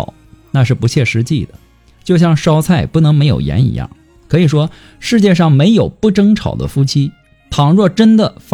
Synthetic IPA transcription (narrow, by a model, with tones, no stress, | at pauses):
na˥˧ʂɻ̩˥˩pu˧˥t͡ɕʰjɛ˥˩ʂɻ̩˧˥t͡ɕi˥˩d̪ə̰˩ | t͡ɕjo˥˧ʊɕjɑ˥˩ŋʂɑ˥ʊt͡sʰa˥˩ɪpu˥˩nɤ˧˥ŋme˧˥ɪjo̰˨˩ʊjɛ̰˧˥nḭ˧˥jɑ̰˥˩ŋ | kʰɤ˧˥i˨˩ʂwɔ˥ | ʂɻ̩˥˧t͡ɕjɛ˥˧ʂɑ˥˩ŋme˧˥ɪjo˨˩ʊpu˥˩ʈ͡ʂɤ˥ŋʈ͡ʂʰɑ˨˩ʊd̪ə̰˦fu˥t͡ɕʰi˥ | t̪ʰɑ˨˥ŋɻwɔ˥˩ʈ͡ʂə˥nd̪ə˨f